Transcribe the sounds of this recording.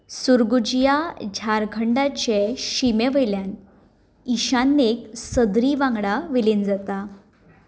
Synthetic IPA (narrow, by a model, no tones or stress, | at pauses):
suɾɡud͡ʑijad͡ʑʱaɾkʰəɳɖat͡ɕeɕimeʋəjljan | iɕanːeksəd̪ɾiʋãŋɡɽaʋilind͡zat̪a